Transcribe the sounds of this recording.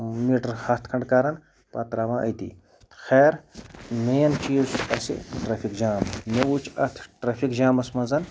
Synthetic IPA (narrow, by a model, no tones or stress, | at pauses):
miːʈɐɾhɐt̪ʰkʰɐɳɖkaːɾɐn | pɐt̪ɾaːʋãːʔɐ̰jt̪ḭː | xeːɾmeːnt͡ʃiːzɐsḭʈɾɐfʰikd͡ʒaːmmʲɐwut͡ʃʰɐt̪ʰʈɾɐːfʰikd͡ʒaːmɐsmɐnzɐn